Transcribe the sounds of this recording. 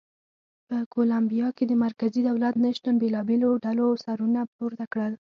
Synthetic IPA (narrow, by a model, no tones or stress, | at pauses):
pəkolambijɑked̪əmaɾkazid̪awlat̪nəʃt̪anbelɑbeloɖalosaɾunapoɾt̪akɽəl